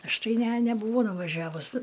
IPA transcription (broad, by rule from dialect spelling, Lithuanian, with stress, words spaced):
ˈɐʃ ˈtɐɪ ˈnʲɛ nʲɛˈbuːʋoː nʊʋɐˈʒʲæːʋʊs